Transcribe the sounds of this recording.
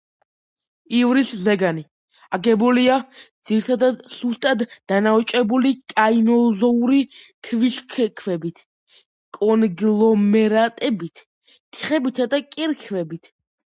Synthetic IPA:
ivɾiszɛɡani | aɡɛbuliad̪z̥iɾit̪ʰad̪ad̪sust̪ʼat̪d̪̥anaɔt͡ʃʼɛbulikʼainɔzɔuɾikʰviʃkʰkʰvɛbit̪ʰ | kʼɔnɡlˠɔmɛɾat̪ʼɛbit̪ʰ | t̪ʰi̥χɛbit̪ʰad̪akʼiɾkʰvɛbit̪ʰ

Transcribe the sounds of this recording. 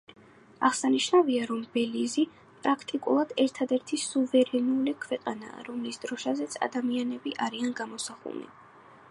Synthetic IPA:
aʁsaniʃnaviaɾɔmbɛlizi | pʼɾakʰt̪ʼikʼṵlˠad̪̥ɛɾt̪ʰad̪ɛɾt̪ʰisuvɛɾɛnulikʰwɛqʼana̰ːɾɔmisd̪ɾɔʃazɛt̪sʰa̰d̪amianɛbiʔaɾianɡamɔsaχṵnḭ

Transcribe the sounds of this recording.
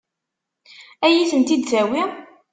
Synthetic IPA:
æjiθənt̪id̪θæwi

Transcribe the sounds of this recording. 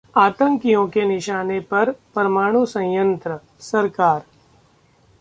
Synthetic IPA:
aːt̪ə̃ŋkijõkenɪʃaːnepɐɾpɾɐmaːɽ̃usɐ̃jjə̃nt̪ɾə | sɐɾkaːɾ

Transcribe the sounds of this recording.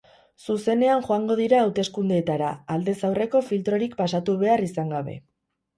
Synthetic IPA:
suse̞ne̞aŋʝo̞aŋɡo̞ð̞iɾaːwt̪e̞skund̪eːt̪aɾaːld̪e̞sawre̞ko̞filt̪ɾo̞ɾikpasat̪uβ̞e̞arisaŋɡaβe̞̰

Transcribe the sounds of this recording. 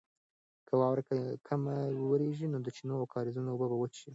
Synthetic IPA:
kʰəwɑwɾakakʰamawəɾeʒinod̪ət͡ʃinoawkʰɑɾɪzunoobəbawət͡ʃi

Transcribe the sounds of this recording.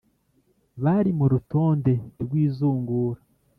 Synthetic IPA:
βaɾimuɾuto̞ːnde̞ɾɡwiːzuːŋɡuːɾa

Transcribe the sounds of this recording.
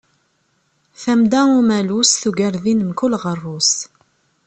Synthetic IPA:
θæmd̪æumælusθuɡæɾðinmkʊlʁərˤːus

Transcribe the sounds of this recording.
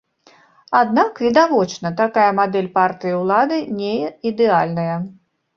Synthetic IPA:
ad̪nakvʲɛd̪avɔt͡ʂnɐt̪akajɐmad̪ɛlʲpart̪ɨjɐwlˠad̪ɨnʲeid̪ɛalʲnɐjɐ

